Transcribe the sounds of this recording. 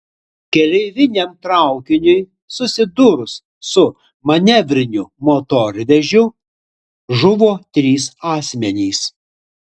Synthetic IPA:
kʲɛlʲɛɪʋʲɪnʲɛmt̪ɾɑˑʊkʲɪnʲʊj | sʊsʲɪd̪ʊɾʊsː | ʊ | mɐnʲɛʋʲɾʲɪnʲʊmot̪oɾʲʋʲɛʒʲʊ | ʒʊʋoːt̪ʲɾʲiːsɑːsʲmʲɛnʲiːs

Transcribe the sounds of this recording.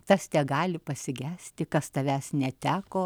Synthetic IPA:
t̪ɐst̪ʲɛɡɑːlʲɪpɐsʲɪɡʲæːsʲt̪ʲɪkɐst̪ɐʋʲæːsnʲɛt̪ʲæːkoː

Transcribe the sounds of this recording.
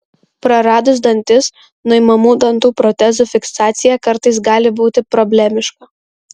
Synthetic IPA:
pɾɐɾɑːd̪ʊzd̪ɐnʲt̪ʲɪs | nʊɪmɐmuːd̪ɐnt̪uːpɾɔt̪ʲɛzufʲɪksɑːt̪sʲɪjɛkɐɾt̪ɐɪs̬ɡɑːlʲɪbuːt̪ʲɪpɾɔbʲlʲɛmʲɪʃkɐ

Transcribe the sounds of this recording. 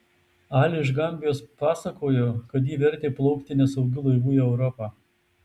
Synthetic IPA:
ɑːlʲɪɪʒɡɐmʲbʲɪjoːspɑːsɐkoːjoːkɐt̪̬jiːʋʲɛɾʲt̪ʲeːplˠɒʊkt̪ʲɪnʲɛsɒʊɡʲʊlˠɐɪʋuːjɛɛʊɾɔpɑː

